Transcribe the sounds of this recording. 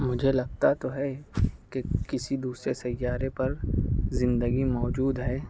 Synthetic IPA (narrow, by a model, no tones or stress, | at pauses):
mʊd͡ʒʱelɐɡ̚t̪at̪oɦɛkekɪsid̪uːsɾesɐjːaːɾepɐɾzɪ̃nd̪əɡimɔːd͡ʒuːd̪ɦɛː